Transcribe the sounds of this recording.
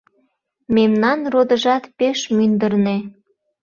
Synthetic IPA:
memnɑnrod̪əʒɑt̪peʃmynd̪ərne

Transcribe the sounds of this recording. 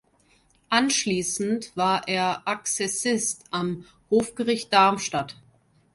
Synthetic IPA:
ʔanʃliːsn̩tv̥aːɐʔeːɐʔaksɛsɪstam | hoːfɡ̥əʁɪçt̚d̥aɐmʃtat

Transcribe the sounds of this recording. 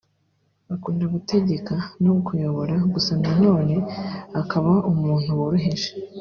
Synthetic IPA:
βakuːndaɡute̞ɟe̞kanokujo̞βo̞ɾaɡusanano̞ːne̞akaβaʔumuːn̥huwoɾuɦeʒe

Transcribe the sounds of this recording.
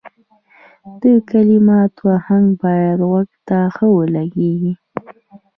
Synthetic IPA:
d̪̥əkalimɑt̪wahaŋɡbɑjad̪ɣwaɡt̪axəwəlaɡeɡi

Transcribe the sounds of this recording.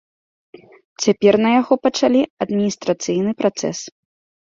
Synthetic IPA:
t͡sʲapʲɛrnɐjaɣɔpɐt͡ʂalʲiɐd̪mʲinʲist̪ɾɐt̪sɨjnɨpɾat̪sɛ̰s

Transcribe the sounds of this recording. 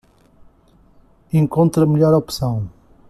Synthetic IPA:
ẽŋkõnt̪ɾɐməʎɔɾɔpsɐ̃w̃

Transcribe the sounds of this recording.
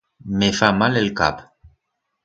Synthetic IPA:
mefamalelka̰p

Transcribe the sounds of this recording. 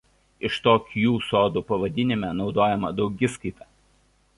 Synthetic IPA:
ɪʃt̪oːkʲjuːsoːd̪uːpɐʋɐd̪ʲɪnʲɪmʲɛnɒʊd̪oːjɛmɐd̪ɒʊɡʲɪskɐɪt̪ɑː

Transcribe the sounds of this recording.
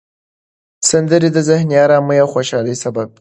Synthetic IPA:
sand̪əɾid̪əzɪhnijɑɾaməjawxoʃɑləjsabab̚

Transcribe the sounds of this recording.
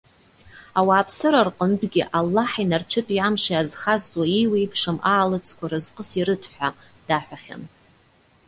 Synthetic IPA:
awaːpʰsɨɾarqʼəndɡʲɪʔalːaħinart͡ʃʷʰɨtʷʼiamʃaazχazt͡sʼwaiwejpʰʂɨmaːlɨt͡sʰʼkʷʰaɾɨzqʼəsiɾɨtʰħʷᶣa | d̥aħʷᶣaχʲa̰n

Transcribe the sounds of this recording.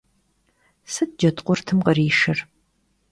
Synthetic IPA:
sɨd̚d͡ʒɐtʼqʷʊrtʰɨmqəriːʃɨr

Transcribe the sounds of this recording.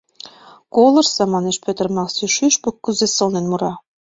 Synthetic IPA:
kolə̆rsɑmɑneʃpøt̪ə̆rmɑksyʃyʃpukːuzesɤ̆lnenmuɾɑ

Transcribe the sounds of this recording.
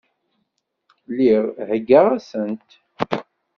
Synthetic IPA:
liʁhəɡːaʁæsənt̪

